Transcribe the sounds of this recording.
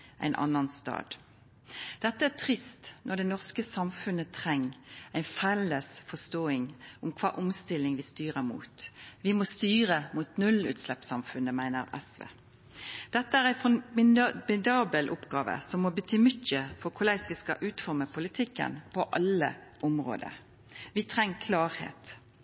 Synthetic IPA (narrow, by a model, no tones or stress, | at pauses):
ʔæ̰ɪnʔɑ̰nɑnst̪ɑ̰ːd̪ | d̪̥ɛt̪ːəæːt̪ʰʁɪst̪nʔɔd̪ɛnɔʁskəsɑmfʉnət̪ʰʁɛŋːæɪfɛləsfɔst̪oːɪŋʊmkʰʋɑ̰ːʔʊmst̪ɪlɪŋʋɪst̪yːʁəmṵːt̪ʋɪmɔst̪yːʁəmuːt̪nʉlʉ̰ːt̪slɛpsɑmfʉnəmæɪnə̰ɾɛ̰sʋḛː | d̪̥ɛt̪ːəæʁæɪfɔmɪmɪd̪ɑːbəlʔʊpɡɑːʋə̰sɔmːɔbət̪ʰyːmʏtːəfɔʁkʰʊlæɪsʋɪskɑ̰ʔʉːt̪fɔʁməpʰʊlɪt̪ʰɪkːə̰npʰɔʔɑlə̰ʔɔmʁo̰ːd̪ə̰ | ʋɪt̪ʰʁɛŋːkʰlɑːʁhḛːt̪